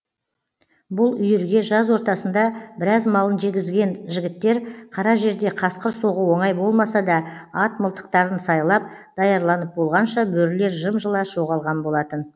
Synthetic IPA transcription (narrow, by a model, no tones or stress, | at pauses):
bʊlˠʏjʏɾɡʲe̞ʒɑzwo̞ɾt̪ɑsənd̪ɑbɪɾɑzmɑlˠənʒe̞ɡʲɪzɡʲe̞nʒɪɡʲɪt̪ːe̞ɾqʰɑɾɑʒe̞ɾd̪e̞qʰɑsqəɾsoʁəwo̞ɴɑjbo̞lˠmɑsɑd̪ɑɑt̪məlˠt̪ə̥q̚t̪ɑɾənsɑjlˠɑp̚d̪ɑjɑɾlˠɑnəp̚bo̞lˠʁɑnʃɑbɵɾle̞ɾʒəmʒəlˠɑʒ̥o̞ʁɑlˠʁɑnbo̞lˠɑt̪ən